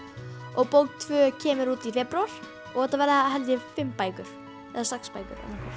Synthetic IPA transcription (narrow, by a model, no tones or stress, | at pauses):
ɔɣpowt̪ʰvœːcʰɛːmʏɾuːt̪ifɛpɾawaɾ̥ | ɔɣhɛt̪ːavɛɾðɪaɦɛlt̪jɪfɪmːpaːjkʏɾ̥ | ɛ̰ðasakspaːjkʏ̰ɾɛ̰n